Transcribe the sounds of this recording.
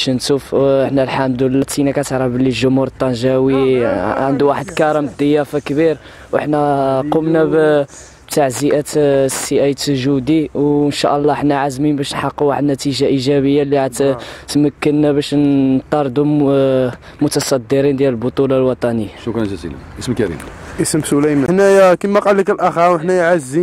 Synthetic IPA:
ʃnt̪ufəħnælħamd̪lːæt̪ːinækæt̪ʕɾˤɑbəliʒʊmhuɾt̪ˤːɑnʒæwiʕənd̪uwaħəd̪kɑɾˤɑmd̪əjːæfakbiɾ | wʔə̰ħnæqumnæb | bt̪aʕziʔæt̪siʔæjsəʒud̪iwənʃæ̰ʔəlˤːɑəħnæʕazminbæʃnħɑqːuwaħəd̪næt̪iʒaʔiʒæbəjːalːiʕat̪t̪məkːənːæbæʃt̪ˤːɑɾˤd̪u | mʊt̪ɑsˤɑd̪ːiɾind̪jæləlbʊt̪ˤulɑlwɑt̪ˤɑnəjːaʃukɾt̪ætḭnæ̰ʔəsmkæɾḭmʔəsmsulæjmænækimæqɑlːikəlʔæxɑwəħnæjʕazːi

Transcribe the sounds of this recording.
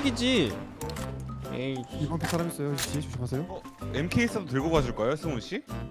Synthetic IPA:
ɡid͡ʑi | eibʌnpesʰaɾamiːs͈ʌjot͡ɕieɕʰiɕʰipʰasʰejoʌ | emkʰeis͈ʰɯdotɯɭɡobad͡ʑʰuɭk͈aejosʰɯŋoɕ͈i

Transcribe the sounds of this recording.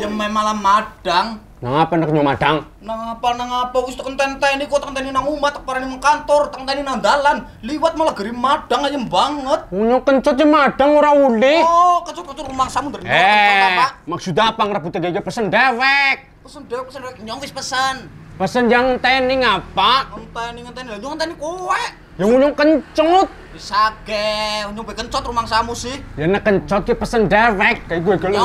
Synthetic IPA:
jəmamalamaɖ̥aŋ | naŋapanakɲɔmad̥aŋ | naŋapanaŋapawist̪ukənt̪ant̪anikɔt̪aŋt̪aninaŋumat̪ːak̚paɾanimɔŋkant̪ɔrt̪aŋt̪aninand̪alan | liwat̪̚malaɡ̥ə̤ɾimaɖ̥aŋajəmbaŋət̪̚uɲɔkəɲt͡ʃɔt̪̚t͡ʃəmaɖ̥aŋuɾaulɪhkət͡ʃɔt̪̚kət͡ʃɔumaŋsamund̪aɾɛaamaksut̪̬apaŋəɾəbut̪ad͡ʒad͡ʒəpəsəndɛwɛk̚pəsəndɛwɛk̚pəsəndwɛk̚ɲɔŋwɪspəsənpəsənjaŋnt̪ɛniŋapaʔənt̪ɛniŋənt̪ɛnaɲɔŋənt̪ɛnikowɛʔ | jaŋuɲɔŋkəɲt͡ʃɔt̪̚bisaɡ̥ɛuɲɔŋpɛkəɲt͡ʃɔt̪̚rumaŋsamusihjanəkəɲt͡ʃɔt̪̚kəpəsəndɛwɛk̚ːaiɡuɛɡɔl

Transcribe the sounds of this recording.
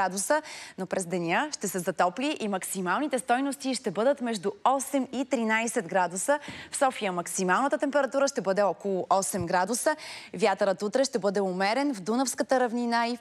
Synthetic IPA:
ad̪usənopɾɛzd̪ɛnʲjəʃt̪ɛsɛzɐt̪ɔpliʔimɐksimalˠnit̪ɛst̪ɔjnost̪iʃt̪ɛbɤd̪ət̪mɛʒd̪uɔsɛmit̪ɾinajsɛt̪ɡɾad̪usəfsɔfijəmɐksimalˠnət̪ət̪ɛmpɛɾɐt̪uɾəʃt̪ɛbɤd̪ɛɔkolˠʊʔɔsɛmɡɾad̪usəvjat̪əɾət̪ut̪ɾɛʃt̪ɛbɤd̪ɛʊmɛɾɛnvd̪unəfskət̪əɾɐvninai

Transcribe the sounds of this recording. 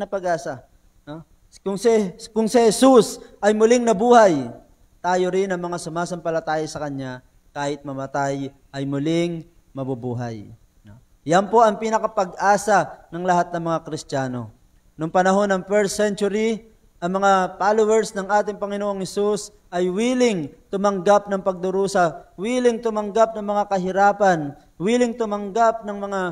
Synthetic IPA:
nɐpɐɡʔaːsɐ | no | kʊŋsɪkʊŋsɪhɛsusʔɐjmʊlɪŋnɐbuːhɐj | t̪aːjoɾɪnɐŋmɐŋasʊmaːsɐmpɐlɐt̪aːjɪsɐkɐɲɲa | kaːhɪt̪̚mɐmɐt̪aj | ʔɐjmʊlɪŋ | mɐbubuːɦɐ̰j | no | jɐnpo̞ʔɐŋpinɐkɐpɐɡ̚ʔaːsɐnɐŋlɐɦat̪̚nɐŋmɐŋakɾɪst̪jaːno̞̰ | nʊŋpɐnɐɦo̞nɐŋfɛɹt̪sɛnt͡ʃʊɾi | ʔɐŋmɐŋapaːlowɛɹsnɐŋʔaːt̪ɪŋpɐŋɪnoʔoŋhɛsus | ʔɐjwiːlɪŋt̪ʊmɐŋɡap̚nɐŋpɐɡ̚d̪ʊɾuːsɐwiːlɪŋt̪ʊmɐŋɡap̚nɐŋmɐŋakɐɦɪɾaːpɐn | wiːlɪŋt̪ʊmɐŋɡap̚nɐŋmɐŋa

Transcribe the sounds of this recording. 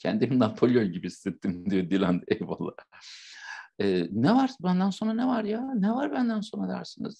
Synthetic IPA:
cʰɛnd̪iminapʰolʲijonɟibist̪ɛt̪ʰːimd̪ijo̞d̪ilʲant̪evalˠːa | ɛːnɛvaɾbænd̪ænso̞nɾanevaɾjanɛvaɾbænd̪ænso̞nɾad̪æ̰ɾsɯnɯ̰z̥

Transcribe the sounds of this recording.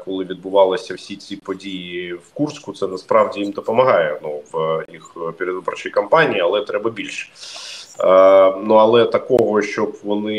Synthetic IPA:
kɔlˠɪʋʲid̪̚bʊʋɑlˠɪsʲɐwsʲit͡sʲipɔdʲijiwkurskʊt̪sɛnɐspɾɑwdʲijimd̪ɔpɔmɐɦɑjɛnuʋjixpʲɪɾʲɪd̪ʋubɐrt͡ʃijkɐmpɑnʲiiɐlˠɛt̪ɾɛbɐbʲilʲʃɛ̥ | nuɐlˠɛt̪ɐkɔɦɔʃt͡ʃɔbʋɔnɪ

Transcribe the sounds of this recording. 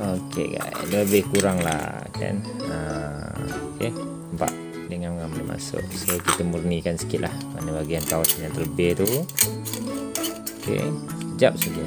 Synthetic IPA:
okʰḛɡa̰ləbɪhkuɾaŋla̰ | ka̰nə | oke | mpa̰ʔ | dəŋanmŋamnəmʔa̰sʊ̰ʔsokit̪əmurnikansə̥kɪt̪̚lʔa̰hma̰nəbaɡiant̪aasanjaŋt̪ələbɪht̪u | okḛsəd͡ʒap̚səɡa

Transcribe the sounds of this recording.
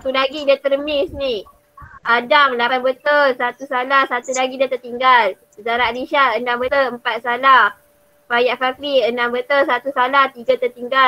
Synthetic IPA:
sat̪ulaɡidat̪ərmɪsni | ʔadaŋlapanbət̪əlsat̪usalahsat̪ulaɡidat̪ərt̪iŋɡal | zaɾaliʃaəndambət̪əəmpat̪̚salah | pajaʔfafɾiənambət̪əsat̪usalaht̪iɡat̪ərt̪iŋɡa

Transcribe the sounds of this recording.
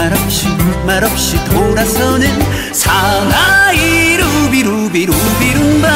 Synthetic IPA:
aɾʌp̚ɕimaɾʌp̚ɕitʰoɾasʌnɯn | sʰanaiɾubiɾubiɾubiɾunba

